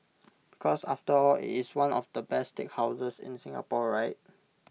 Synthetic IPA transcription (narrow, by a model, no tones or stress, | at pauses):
b̥ikʰɔsa̰ftəɔlḭtiswãnɔ̰fdəbɛstek̚haʊsəsɪ̰̃nsĩŋa̰pɔɹaɪt̚